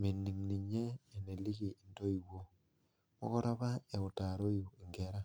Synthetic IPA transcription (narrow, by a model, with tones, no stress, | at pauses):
mi˨nːi˨ŋni˨ɲeː˦˨ne˨li˦ɣi˨i˨ndo˦i˨wo˦ | mo̰˦kɔ˦ɾa˦βa˦e˨o˨ta˨ɾo˦i˨i˨ŋɡeɾa˦